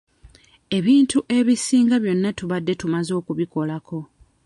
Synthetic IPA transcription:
e̞βiːntuʔe̞βisiːŋɡaβjo̞nːatuβadːe̞tumazo̞ːkuβiko̞lako̞

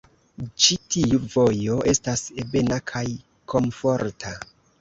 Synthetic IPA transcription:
t͡ʃitiuvo̞jo̞ʔe̞stasebe̞nakʰaj | kʰo̞mfo̞ɾtʰa

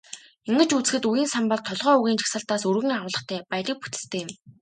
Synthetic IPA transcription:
eŋɡɘ̆t͡ɕut͡sɘ̥̆xɘ̆t̪ujiːnsampɔɮt̪ʰːɔɮʁœːuɣiːnt͡ɕʰḁxsə̆ɬt̪aːsɵrɣɘ̆ŋaʊːɮə̆χt̪ʰæːpajɮĭk̚pu̥t̪ɘ̥̆st̪ʰeːjɪ̆m

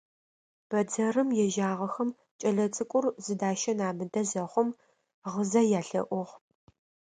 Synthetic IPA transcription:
b̥ɐd͡zɐrɨmjɛʒaːʁɐxɐm | t͡ʃʼɐɮɐt͡sʼɨkʷʼʊrzɨdaːʃɐnaːmɨdɐzɐχʷʊm | ʁəzɐjaːɬɐ̰ʔʷʊʁ

